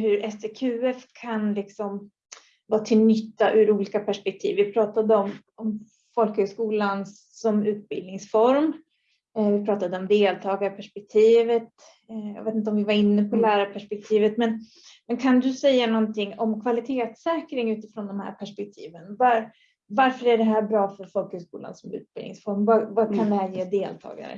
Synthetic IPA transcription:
hɵɾʔɛsekʰʉ̟ːɛfkʰanlɪksɔm | vɑːt̪ʰɪlnʏt̪ːaʔʉɾuːliːkapʰæʂpɛk̚t̪ʰḭːvːɪpʰɾɑːt̪ad̪əɔm | ɔm | fɔlkhʉskuːlans | ɔmʉ̟ːt̪̚bɪlnɪŋsfɔɾm | vɪpʰɾɑːt̪ad̪əɔmd̪eːlt̪ʰɑːɡaɾəpʰæʂpɛk̚t̪ʰiːvət̪ | jɑ̰ːveːt̪ɪnt̪əɔmvɪvaɾɪnːəpʰɔlæːɾapʰæʂpɛk̚t̪ʰiːvət̪mɛn | mɛnkʰand̪ɵsɛjːanɔnt̪ɪŋːɔmkʰvalɪt̪ʰeːt̪sɛːkɾɪŋʉ̟ːt̪ɪfɾoːnd̪ɔmhæ̰ːɾpʰæʂpɛk̚t̪ʰiːvənvaɾ | vaɾfœɾæɖɛɦæːɾbɾɑːfœɾfɔlkhʉskṵːla̰nsɔmʉ̟̰ːt̪̚b̥ɪ̰lɪ̰ŋsfɔɾmvavakʰand̪ɛɦæːɾjeːd̪eːlt̪ʰɑ̰ːɡa̰ɾə̰

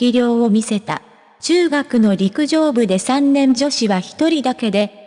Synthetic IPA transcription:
iɾʲo̞ːomʲise̞t̪a̰ | t͡ɕɨːɡakɯ̟no̞ɾʲikɯ̟ʑo̞ːbɯ̟d̪e̞sãnːẽ̞nd͡ʑo̞ɕiβaçi̥t̪o̞ɾʲid̪ake̞d̪e̞

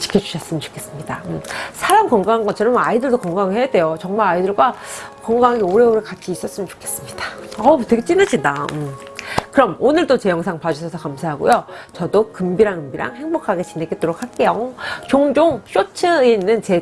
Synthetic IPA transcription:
t͡ɕi̥kʰʌd͡ʑu̥ɕʰʌs͈ɯmənt͡ɕo̥kʰe̞s͈ɯmɲidaɯmsʰaɾamkʌŋɡaŋɦanɡʌnt͡ɕʰeɾʌmaidɯɭdokʌŋɡaŋɯɭhe̞jade̞jot͡ɕʌŋmaɾaidɯɭɡwakʌŋɡaɦaɡeoɾe̞oɾɯɭkat̚k͈ʰiːs͈ʌs͈ɯmənt͡ɕo̥kʰe̞̥s͈ɯmɲid̥aʌteɡet͡ɕ͈inad͡ʑindaɯm | kɯɾʌmonɯɭd͈ot͡ɕe̞jʌŋsʰaŋpad͡ʑʌsʰʌsʰʌkamsʰaɦaɡo̰jot͡ɕʌdokɯmbiɾaŋɯmbiɾa̰ŋhe̞ŋbokʰaɡe̞t͡ɕinek͈et͈oɾok̚haɭk͈e̞jot͡ɕoŋd͡ʑoŋɕ͈ot͡ɕʰɯiinːɯnt͡ɕe̞

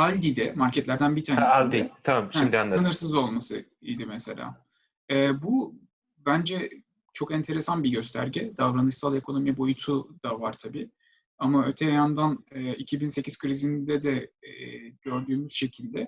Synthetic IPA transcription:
alʲd̪id̪ɛmaɾcʰɛt̪lʲæɾd̪ænbit̪ʰaːnesd̪iɛt̪ʰamamʃd̪aɯnɯɾsɯzo̞lˠmasɯ̰ | ḭjd̪imɛse̞̰lʲa̰ː | ɛːbu | bænd͡ʒɛ | t͡ʃʰo̞kɛnt̪ʰe̞ɾe̞sanbiɟø̞s̬t̪ʰæ̰ɾɟɛd̪avɾanɯʃsalˠe̞kʰo̞no̞mibo̞jut̪ʰud̪̥avaɾt̪ʰabiː | amaøt̪ʰejjand̪anɯːicʰibinse̞cʰiz̥kʰɯɾizind̪ɛd̪ɛ | ɟø̞ɾd̪yːmyz̥ʃe̞cʰilʲd̪ɛ

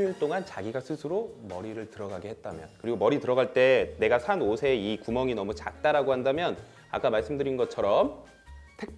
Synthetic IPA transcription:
iɭt͈oŋant͡ɕaɡiɡasʰɯsʰɯɾomʌɾiɾɯɭtɯɾʌɡaɡehe̞t̚t͈amjʌnkɯɾiɡomʌɾitɯɾʌɡaɭt͈e̞ne̞ɡasʰanosʰe̞ikumʌŋinʌmut͡ɕak̚t͈aɾaɡohandamjʌn | a̰k͈amaɭs͈ɯmdɯɾinɡʌt͡ɕʰʌɾʌm | tʰe̞k̚

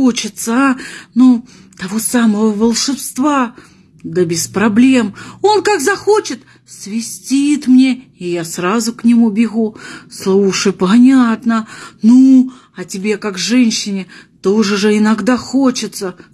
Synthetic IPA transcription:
ot͡ɕɪt̪sənut̪ɐvo̞saməvəvəlˠʂɨpst̪va | d̪əbʲɪspɾɐblʲe̞mo̞nkaɡzɐxo̞t͡ɕɪt̪ | svʲɪsʲtʲit̪mnʲeɪjasrazʊknʲɪmubʲɪɣuslˠuʂɨjpɐnʲat̪nənu | ɐtʲɪbʲe̞kakʐɛnʲɕːɪnʲɪt̪o̞ʐɨʐɨɪnɐɡd̪axot͡ɕɪt̪sə

